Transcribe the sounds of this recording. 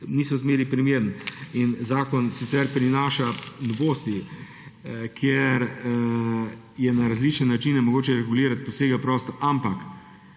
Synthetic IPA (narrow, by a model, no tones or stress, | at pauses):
nisɔzmeːɾipɾimeːɾninzaːkɔnsit̪sɛɾpɾinaːʃanɔʋoːst̪i | kʰjeɾ | jɛnaɾazlit͡ʃnɛnat͡ʃinɛmɔɡoːt͡ʃɛɾɛɡuliːɾat̪̚pɔseːɡapɾɔːst̪ɔʔampak